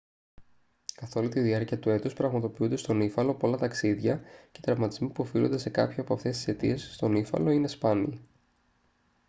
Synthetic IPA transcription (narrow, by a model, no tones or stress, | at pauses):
kɐθo̞lut̪iðiɐɾciɐt̪ue̞t̪uspɾɐɣmɐt̪o̞piund̪est̪o̞nifɐlo̞polɐt̪ɐksiðʝɐcet̪ɾɐvmɐt̪izmipuofilo̞nd̪e̞se̞kɐ̰pçɐpoɐft̪e̞st̪i̥se̞t̪ḭe̞sst̪o̞nifɐ̰lo̞ine̞spɐnḭ